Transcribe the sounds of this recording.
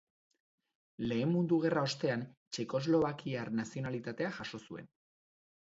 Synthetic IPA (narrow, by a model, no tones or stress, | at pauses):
le̞ːmːund̪uɣ̞e̞rao̞st̪e̞ant͡ʃe̞ko̞zlo̞βakiaɾnasio̞nalit̪at̪e̞aʝaʃo̞sue̞̰n